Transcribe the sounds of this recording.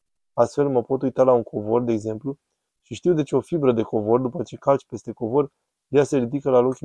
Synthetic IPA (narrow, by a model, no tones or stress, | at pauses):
ast̪fe̞lməpo̞t̪ujt̪alauŋkʰo̞vo̞rd̪eːɡze̞mplu | ʃiʃt̪iwd̪e̞t͡ʃeo̞fibɾəd̪e̞ko̞vo̞rd̪upət͡ʃe̞kalt͡ʃʲpe̞st̪e̞ko̞vo̞r | jaseɾid̪ikəlalo̞kʲ